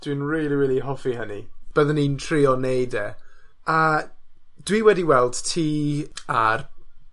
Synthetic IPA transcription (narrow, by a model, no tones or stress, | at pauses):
d̥winriːlˠiwiːlˠiɦɔfihənḭb̥əðənintʰriɔnejdɛ | a | d̥wiwɛdiwɛlˠd̥tʰiːar